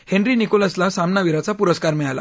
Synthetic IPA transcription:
heɳɾinikoləslasamnaʋiɾat͡sapuɾəskaɾmɛɭala̰

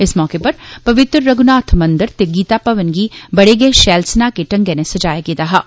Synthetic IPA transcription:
ɪsmɔːkepɐɾpɐʋɪt̪ɾəːɐɡʊnaːt̪ʰmɐ̃nd̪əɾt̪eɡiːt̪apɐʋənɡibɐɽeɡɐeʃɛːlsnakeʈɐ̃ŋɡenẽsɐd͡ʒaːjaɡeːd̪aɦaː

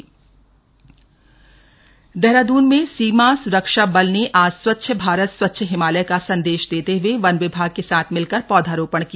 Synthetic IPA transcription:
d̪ɛɦɾaːd̪uːnmẽsiːmasʊɾəkʃabɐlneʔaːd͡ʒswɐt̪ːʃʰəbʱaːɾət̪swɐt̪ːʃʰəɦɪmaːləjkasɐ̃nd̪eːʃd̪eːt̪eɦʊweʋɐnʋɪbʱaːɡ̚kesaːt̪ʰmɪlkəɾpɔːd̪ʱaːɾoːpəɳ̃ki

